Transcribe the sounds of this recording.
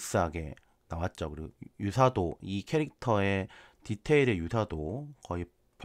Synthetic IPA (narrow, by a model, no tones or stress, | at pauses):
k̚s͈aɦaɡe̞̰ | nawat̚t͡ɕ͈ʌkɯɾijusʰadoikʰe̞ɾik̚tʰʌe̞titʰe̞iɾejusʰadokʌi | p